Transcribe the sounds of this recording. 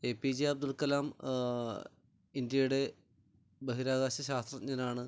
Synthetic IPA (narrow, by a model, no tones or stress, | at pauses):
eːpid͡ʑiɐb̚d̪ulkɐlaːm | indjɐjuɽe̞ | bɐɦiɾaːɣaːɕɐɕaːst̪rɐɲːɐnaːɳɨ